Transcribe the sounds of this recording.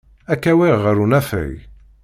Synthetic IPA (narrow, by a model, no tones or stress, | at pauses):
ækːæwiʁːəɾunæfæ̰j